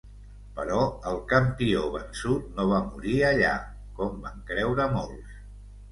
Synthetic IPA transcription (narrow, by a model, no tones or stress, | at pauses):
pəɾɔəlˠkəmpioβənsut̪̚noβ̞amuɾiəʎa̰ | kɔmbaŋkɾɛwɾəmolˠs